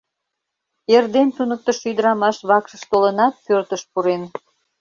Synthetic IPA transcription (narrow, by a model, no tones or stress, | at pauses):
erd̪ent̪unək̚t̪əʃyd̪əɾɑmɑʃβɑkʃəʃt̪olənɑt̪̚pørt̪əʃpuɾen